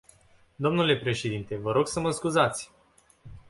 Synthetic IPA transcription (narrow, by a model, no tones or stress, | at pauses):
d̪o̞mnule̞pɾe̞ʃe̞d̪int̪e̞vəɾo̞ɡsəməskuzat̪sʲ